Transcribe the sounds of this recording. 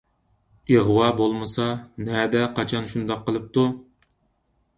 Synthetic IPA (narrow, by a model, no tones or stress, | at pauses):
iʁwɑbolˠmɨsɑnɛd̪ɛqɑt͡ʃʰɑnʃund̪ɑqʰːəlˠɨp̚t̪u